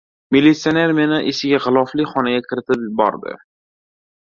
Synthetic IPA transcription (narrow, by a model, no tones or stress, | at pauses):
milːit̪sioneɾmenaʔesɪɡʲaʁɨlˠɒflɪχɒnaɡʲakʲʰɪɾɪt̪ʰɪpbɒ̰ɾd̪ɪ̰